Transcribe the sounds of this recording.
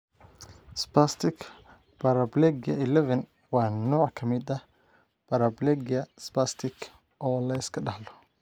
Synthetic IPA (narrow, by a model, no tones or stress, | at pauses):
spast̪ʰɪk | bɐɾɐblɛɡjɐ̰ɪlɛvɐn | wɑːnɔːʕkʰɐmɪd̪ɐ | b̥ɐɾɐblɛɡjɐspast̪ʰɪkʰ | ʔɔːlɐɪskʰɐɖɐhlɔ